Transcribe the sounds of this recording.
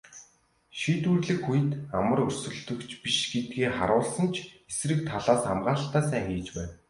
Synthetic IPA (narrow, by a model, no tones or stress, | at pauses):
ʃiːt̪uːrɮɘ̆kxujɘ̆t̪amə̆rɵr̥sɵ̆ɮt̪ɵ̆kt͡ɕʰpiʃɡet̪̚ɡeːχa̰ɾʊːɮsə̆nt͡ɕʰesrɘ̆k̚t̪ʰaɮaːsa̰mɢaːɬt̪æːsæːŋxiːt͡ɕpæːn